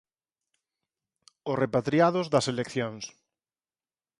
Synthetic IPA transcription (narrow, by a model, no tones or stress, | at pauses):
ʊsrepat̪ɾiaðʊzðɐselekθjoŋs